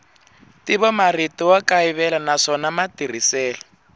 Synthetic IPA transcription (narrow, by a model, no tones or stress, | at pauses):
tiβɔmaritɔwakaiβɛlanaʂɔnamatir̤isɛːlɔ